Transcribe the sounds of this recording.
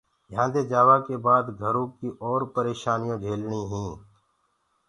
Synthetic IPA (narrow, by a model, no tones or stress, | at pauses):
jɦãːd̪eːd͡ʒaːʋaːkebaːd̪ɡʱəɾõːkiʔɔːɾpəɾeːʃaːnijõːd͡ʒʱeːlɳiːɦĩː